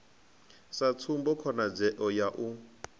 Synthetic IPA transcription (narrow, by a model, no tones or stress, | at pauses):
sat͡sʰumbɔkʰɔnad͡zɛʔɔjaʔu